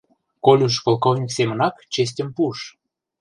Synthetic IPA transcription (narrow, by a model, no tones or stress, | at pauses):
kolʲuʃ̬kolˠkovnʲiksemə̆nɑkt͡ɕes̬ʲtʲə̆mpuʃ